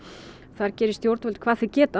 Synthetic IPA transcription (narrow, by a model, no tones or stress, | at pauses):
θaɾcɛːɾɪst̪jowɾt̪vɛlt̪̚kʰvaːsɪcɛːt̪a